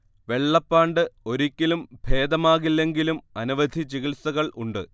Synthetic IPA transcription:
ʋe̞ɭːɐpːaːɳɖɨo̞ɾikʲːilumbʱe̞ːd̪ɐmaːɣilːe̞ŋɡilumɐnuʋɐd̪ʱit͡ɕiɣilsɐɣɐɭṵɳɖɨ

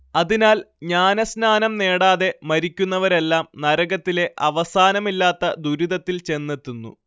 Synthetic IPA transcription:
ɐðinaːl | ɲaːnɐsnaːnɐmne̞ːɽaːðe̞mɐɾikʲːunːɐʋɐɾe̞lːaːmnɐɾɐɡɐt̪ːile̞ʔɐʋɐsaːnɐmilːaːt̪ːɐd̪uɾiðɐt̪ːilt͡ɕe̞nːet̪ːunːṵ

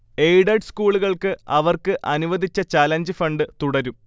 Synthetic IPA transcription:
ejɖɐɖskuːɭuɣɐɭkɨʔɐʋɐrkɨʔɐnuʋɐd̪ʱit͡ɕːɐt͡ɕaːlɐnd͡ʑɨfɐɳɖɨt̪uɽɐɾum

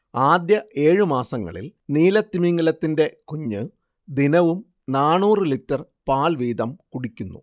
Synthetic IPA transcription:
aːd̪jɐʔe̞ːɻɨmaːsɐŋːɐ̰ɭḭlniːlɐt̪ːimiŋːɐlɐt̪ːinde̞kuɲːɨ | d̪inɐʋum | naːɳuːrɨlitːɐr | paːlʋiːd̪ɐmkuɽikʲːunːṵ

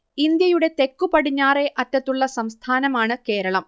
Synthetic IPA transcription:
ind̪jɐjuɽe̞t̪e̞kːupɐɽiɲːaːre̞ʔɐtːɐt̪ːuɭːɐsɐmst̪ʰaːnɐmaːɳɨke̞ːɾɐɭɐm

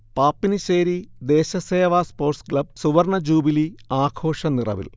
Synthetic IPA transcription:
paːpːiniɕeːɾid̪e̞ːɕɐseːʋaspo̞ːrʈskɭɐb̚suʋɐrɳɐd͡ʑuːbiliaːkʰo̞ːʂɐnirɐ̰ʋḭl

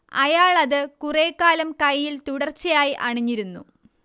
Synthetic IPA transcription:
ɐ̰jaːɭɐðɨkureːkːaːlɐmkɐjːilt̪uɽɐrt͡ɕːɐjaːjiʔɐɳiɲːiɾunːṵ

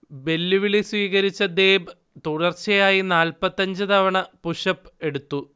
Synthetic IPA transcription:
be̞lːiʋiliswiːɣɐɾit͡ɕːɐd̪eːb | t̪uɽɐrt͡ɕɐjaːjinaːlpɐt̪ːɐɲd͡ʑɨt̪ɐʋɐɳɐpuʂɐpːe̞ɽut̪ːu

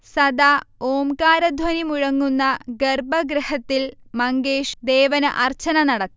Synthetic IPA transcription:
sɐd̪aoːmkaːɾɐd̪ʱwɐnimuɻɐŋːunːɐɡerbɐɡɾɐhɐt̪ːilmɐŋɡeːʂd̪eːʋɐnɨʔɐrt͡ɕɐnɐnɐɽɐt̪ːi

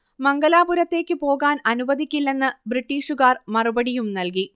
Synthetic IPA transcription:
mɐŋɡɐlaːbuɾɐt̪ːe̞ːkʲːɨpo̞ːɣaːnɐnuʋɐd̪ikʲːilːe̞nːɨbriʈːiːʂuɣaːrmɐrubɐɽijumnɐlki

